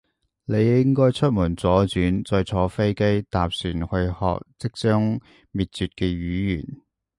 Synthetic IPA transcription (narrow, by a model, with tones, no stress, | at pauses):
ne˨˧jjɪ˥ŋkɔː˥jt͡ʃʰɵ˥t̚mu˨˩nt͡sɔː˨˥t͡syː˨˥nt͡sɔː˧jt͡sʰɔː˨˧˥fe˥jke˥jt̪aː˨p̚syː˨˩nhɵ˧ɥhɔ̰ː˨˧k̚t͡sɪ˥k̚t͡sœː˥ŋ | miː˨t̚t͡syː˨t̚kɛː˧ɥyː˨˥jyː˨˩n